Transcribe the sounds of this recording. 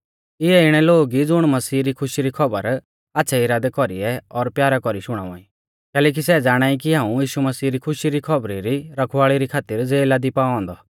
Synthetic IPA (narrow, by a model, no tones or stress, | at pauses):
ɪɛɪɽ̃ɛloːɡid͡zʊɽ̃mɐsiːɾikʰʊʃiɾikʰɔbəɾ | aːtːʃʰaiɾaːd̪ɛkɔɾiɛɔɾpjaːɾakɔɾiʃʊɽ̃a̰ːʋã̰ːĩ | kɛːlɛːk̬isɛd͡zaːɽ̃aːik̬iɦãːũjiːʃumɐsiːɾikʰʊʃiɾikʰɐbɾiɾiɾɐkʰʋaːɭiɾikʰaːt̪ɪɾd͡zeːlad̪ipaːɔ̃ːnd̪ɔ